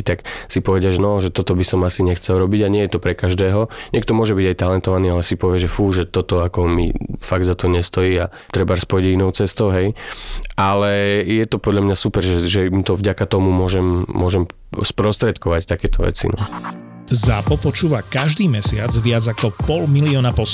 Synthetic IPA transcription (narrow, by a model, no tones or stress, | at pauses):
t̪aksipɔʋɛdɪaʒɛnɔʒɛt̪ɔt̪ɔbisɔmasiɲɛxt͡sɛlɾɔbiɟaɲɪɛjɛt̪ɔpɾɛkaʒd̪ɛːɦɔɲɛkt̪ɔmʊɔʒɛbiɟajt̪alɛnt̪ɔʋaniːalɛsipɔʋɪɛʒɛfuːʒɛt̪ɔt̪ɔakɔmḭfaɡ̚d̪zat̪ɔɲɛst̪ɔjiːa | t̪ɾɛbaɾspɔjɟinɔʊt͡sɛst̪ɔʊɦɛjʔalɛjɛt̪ɔpɔd̪ʎamɲasupɛɾʒɛʒɛmt̪ɔvɟakat̪ɔmumʊɔʒɛmːʊɔʒɛm | spɾɔst̪ɾɛt̪kɔʋact̪akɛːt̪ɔʋɛ̰t͡sḭnɔ̰ | zaːpɔpɔt͡ʃuːʋakaʒd̪iːmɛsɪad͡zʋɪad͡zakɔpɔlmiliɔnapɔs